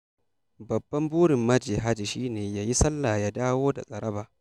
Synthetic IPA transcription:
bɐ˨bːɐ˦mbuː˦ɽɪ˨mːɐ˦d͡ʒiː˨ɦa˦d͡ʒi˨ʃiː˦neː˨jaː˦ji˦sɐ˦lːaː˨jaː˦daː˦woː˦da̰˨ɐ˨ɽʔɐ˦baː˨

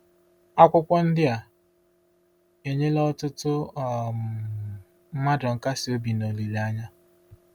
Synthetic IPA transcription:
a˦kʷʊ˦kʷɔ˦n̩˦dɪ˦a˨ | e˨ɲe˦lɔ˦tʊ˦tʊ˦˨˦ | ma˦dɔ˨ŋ̩˨ka˦sɪ˨o˦bi˨no˨li˨la˦ɲa˦

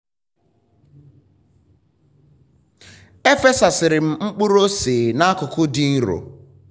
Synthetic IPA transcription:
e˦fe˦sa˨sɪ˨ɾɪ˨m̩˨ŋ͡m̩˦k͡pu˦ɾo˦sɪ˨na˦kʊ˨kʊ˦dɪ˦n̩˦ɾo̰˨

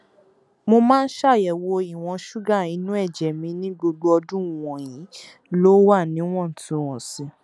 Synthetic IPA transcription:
mo˧mãː˦n̩˦ʃa˦˨jɛ˨wo˧i˨w̃ɔ̃˧ʃu˦ɡa˦˨ĩ˨˦nũ˦ɛ˦˨d͡ʒɛ˨mĩ˧nĩ˦ɡ͡bo˧ɡ͡bo˧ɔ˧dũ˦˨w̃ɔ̃˨jĩ˨˦ | lo˦wa˦˨nĩ˨˦w̃ɔ̃˦˨n̩˨tũ˨wɔ̃˨sĩ˨˧˦

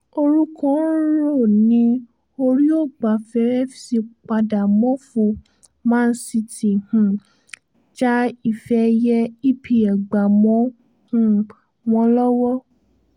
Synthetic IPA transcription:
o˧ɾu˦kɔ̃˦˨˦ɾo˦˨nĩ˦ | o˧ɾi˦o˦˨ɡ͡ba˨fɛ˨˦ɾɛ˦fi˨si˧k͡pa˧da˨mɔ̃˨˦fu˧˨ | mãː˦˧n̩˦si˧ti˨hũ˨ | d͡ʒa˦i˦˨fɛ˧jɛ˦i˦pʰi˨ɛ˨ɡ͡ba˨mɔ̃˨˦ | hũ˨ | w̃ɔ̃˧lɔ˦wɔ˦

